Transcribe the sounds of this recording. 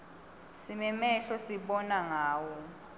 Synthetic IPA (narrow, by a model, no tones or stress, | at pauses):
simɛmɛɬɔsiɓɔnaŋaːwɔ